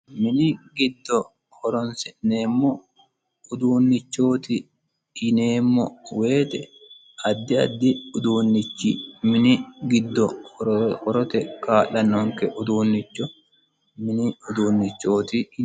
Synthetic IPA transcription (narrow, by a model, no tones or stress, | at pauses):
mɪnɪɡɪd̪ːɔ | hɔɾɔnsɛnne̞ːmːɔ | ʊd̪uːnːɪt͡ʃːo̞ːt̪ɪ | ɪneːmːɔwe̞ːt̪ɛ | ɐd̪ːɪɐ̰d̪ːɪʊd̪uːnːɪt͡ʃːimɪnɪɡɪd̪ːɔ | hɔɾɔt̪ɛkaːʔɐnːɔŋkɛʔʊd̪uːnːɪt͡ʃːɔ | mɪnɪʊd̪uːnːɪt͡ʃːo̞ːt̪ɪ